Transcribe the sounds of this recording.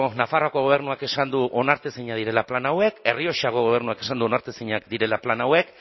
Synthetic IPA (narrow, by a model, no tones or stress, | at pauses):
nafaro̞ako̞ɣo̞β̞e̞ɾnuake̞sand̪uʔo̞naɾt̪eseɲað̞iɾe̞laplanawe̞ke̞rio̞ʃaɣo̞ɣo̞β̞e̞ɾnuake̞sand̪uo̞naɾt̪eseɲakd̪iɾe̞laplanawe̞k